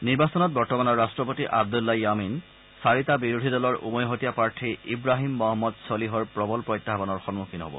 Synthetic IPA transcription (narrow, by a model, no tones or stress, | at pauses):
niɹbasɔnɔt̚bɔɹtɔmanɔɹːastɹɔpotiʔa̰b̚d̪ulːɔjamin | saɹitabiɹud̪ʱidɔlɔɹʔṵmɔjɦotijapaɹtʰiibɹaɦimːɔɦɔmːɔd̪sɔliɦɔɹpɹɔbɔlpɹɔjt̪ːaɦbɔnɔɹxɔnmukʰinɦo̰bɔ̰